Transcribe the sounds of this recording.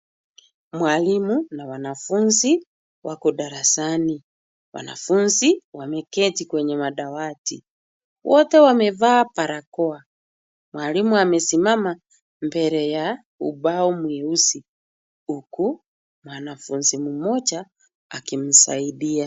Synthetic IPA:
mwalimunawanafunzi | wʔakɔɗaɾasani | wa̰na̰funziwamɛkɛtikwɛɲɛmaɗawati | wʔɔtɛwamɛvapaɾakɔa | mwalimuamɛsimama | mbɛɾɛja | ṵbaɔmwɛusi | uku | mwanafunzimumɔt͡ʃaː | kim̩saiɗia

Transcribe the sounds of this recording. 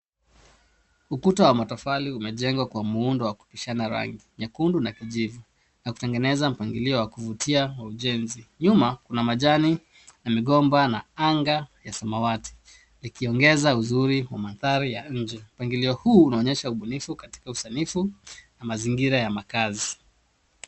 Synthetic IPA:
ukutawamatɔfaliumɛʄɛŋɡwakwamuundɔwaku̥piʃanaɾa̰ŋɡiɲakundunakiʄivu | naku̥tɛŋɡɛnɛzam̩paŋɡiliɔwakuvutʰiawauʄɛnziɲumakunamaʄani | namiɠɔmbanaaŋɡajasamawati̥ | nikiɔŋɡɛzauzuɾiwamanθaɾijaɲ̩d͡ʒɛm̩paŋɡiliɔhuːnaɔɲɛʃauɓunifukati̥kausanifunamaziŋɡiɾajamakazi

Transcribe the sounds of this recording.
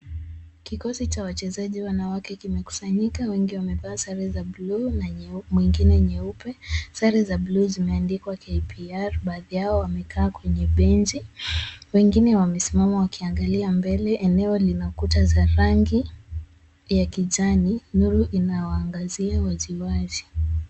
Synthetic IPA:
kikɔsit͡ʃawat͡ʃɛzaʄiwanawakɛkimɛku̥saɲikawɛŋɡiwamɛvaːsaɾɛzablunamwiŋɡinɛɲɛupɛsaɾizabluzimɛandikwakʰepʰiaɾɓaːðijaɔwamɛkʰaːkwɛɲɛɓɛnd͡ʒiwɛŋɡinɛwamɛsimamɔwakʰiaŋɡaliambɛlɛʔɛnɛɔlinakutazaɾaŋɡi | jakiʄaninuɾuʔinawaːŋɡaziawaziwazi

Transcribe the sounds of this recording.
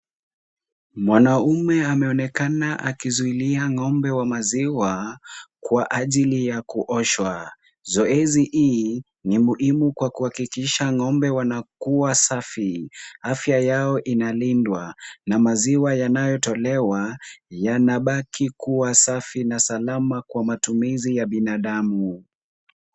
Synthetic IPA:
mwanaumɛamɛɔnɛkanaʔakizuiliaŋɔmbɛwamaziwakwaʔaʄilijakuʔɔʃwa | zɔɛziʔi | nimuhimukwakuhakikiʃaŋɔmbɛwanakuwasafiafjajaɔʔinalindwanamaziwajanajɔtɔlɛwajanaɓakʰikuwasafinasalamakwamatumizijaɓinaɗamu

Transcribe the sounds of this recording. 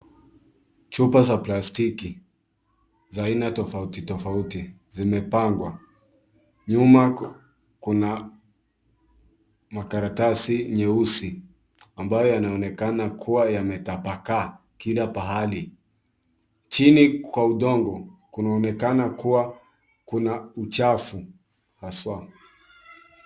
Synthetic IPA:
t͡ʃupazaplastiki | zainatɔfautitɔfauti | zimɛpaŋɡwa | ɲuma | kuna | makaɾatasiɲɛusi | ambajɔjanaɔnɛkanakʰuwajamɛtapaka | kilapaɦali | t͡ʃinikwauɗɔŋɡɔkunaɔnɛkanakuwa | kunaut͡ʃafu | haswa

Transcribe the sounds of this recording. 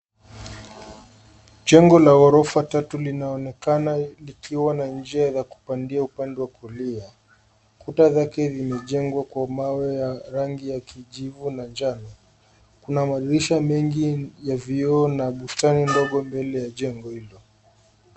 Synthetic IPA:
ʄɛŋɡɔlaɔɾɔfatatulinaɔnɛkanalikʰiwanand͡ʒiazaku̥pandiaupandɛwakulia | kutazakɛzimɛʄɛŋɡwakwamawɛjaɾaŋɡijakʰiʄivunand͡ʒanɔ | kunamaɗiɾiʃamɛŋɡijaviɔːnaɓustanindɔɠɔmbɛlɛjaʄɛŋɡɔhilɔ

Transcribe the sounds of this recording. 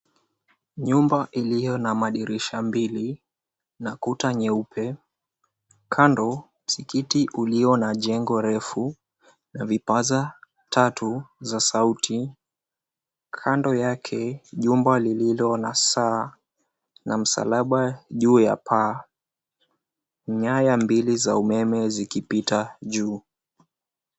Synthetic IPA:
ɲumbaʔilijɔnamaɗiɾiʃambili | nakutaɲɛupʰɛ | kʰandɔ | m̩sikitiʔuliɔnaʄɛŋɡɔɾɛfu | navipaza | tʰatuzasautʰi | kʰandɔjakʰɛʄumbalililɔnasa | nam̩sa̰laɓaʄuːja̰pʰa | ɲajambilizaumɛmɛzikipitaʄuː

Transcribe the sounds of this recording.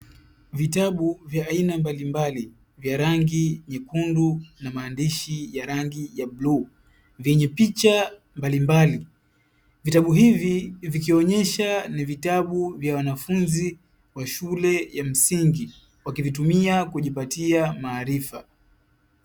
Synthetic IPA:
vitaɓuvjaːinambalimbali | vjaɾaŋɡiɲɛkundunamaːndiʃijaɾaŋɡijablu | vjɛɲɛpit͡ʃa | mbalimbali | vitaɓuɦivivikiɔɲɛʃanivitaɓuvjawanafunzi | waʃulɛjam̩siŋɡi | wakivitumiakuʄipatiamaːɾifa

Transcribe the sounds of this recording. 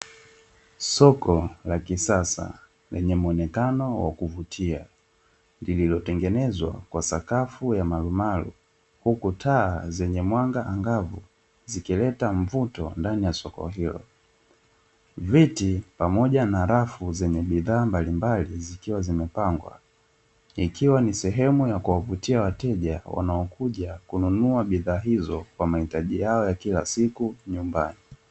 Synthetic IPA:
sɔkɔlakisasa̰ | lɛɲɛmuɔnɛkanɔwa̰kuvutʰia | ndililɔtɛŋɡɛnɛzwa̰kwasakafujamalumalṵ | hukutʰaːzɛɲɛmwaŋɡaʔaŋɡavṵ | zikilɛtaɱvutɔ̰ndanijasɔkɔ̰ɦilɔ̰ | vitipamɔʄanaɾafuzɛɲɛɓiðaːmbalimbalizikiwazimɛpaŋɡwa̰ | ikʰiwanisɛɦɛmujakuwavutiawatɛʄawa̰naɔkʰuʄakununuaɓiðaːɦizɔkwamahitaʄijaɔjakilasikuɲumba̰ni

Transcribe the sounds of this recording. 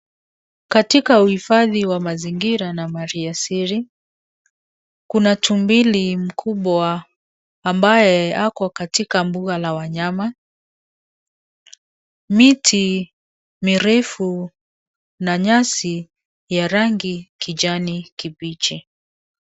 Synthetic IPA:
katikauhifaðiwamaziŋɡiɾanamaɾiasiɾi | kunatumbilim̩kʰuɓwaː | mbajɛakɔkatikambuɣalawaɲama | mitʰi | miɾɛfu | naɲasi | jaɾaŋɡikid͡ʒanikibit͡ʃi

